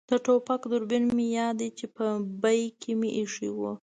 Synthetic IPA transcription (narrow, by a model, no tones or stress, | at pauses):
d̪̥əʈopakd̪ʊɾbinmejɑd̪it͡ʃepəbajkʰemeʔiʂiwu